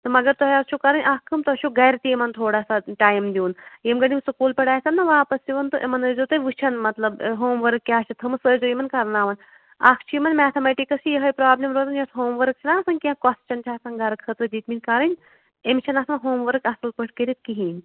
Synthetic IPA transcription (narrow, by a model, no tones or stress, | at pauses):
t̪ɨmɐɡɐɾt̪oɦjaːst͡ʃʰukɐɾɐnʲʔaːkʰːɨmt̪ot͡ʃʰuɡɐjɾt̪iemɐnt̪ʰoːɽaːsaʈaːjmd̪uːnjemɡɐnimsɨkuːlpɐɽaːjsɐnnɐʋaːpɐsiʋɐnt̪ɨʔemɐnəzot̪ɐjʋɨt͡ʃʰɐnmɐt̪lɐbɦoːmʋɐɾɨkːʲaːt͡ʃʰɐt̪ʰɐmɨsəːzojimɐnkɐɾnaːʋɐn | akʰt͡ʃʰimɐnmɛːt̪ʰɐmeʈikɐsʰijɐɦɐjpɾɐaːblʲimɾoːt̪ɐnjɐsɦoːmʋɐɾk̚t͡ʃʰinaːsɐnʲkʲãːkɔst͡ʃɐnt͡ʃʲʰaːsɐnɡɐɾkʰət̪ɾɨd̪iːt̪minʲkaːɾɐnʲ | emt͡ʃʰɐnasɐnɦoːmʋɐɾɨkasɨlpəʈkeɾit̪̚kiɦiːnʲ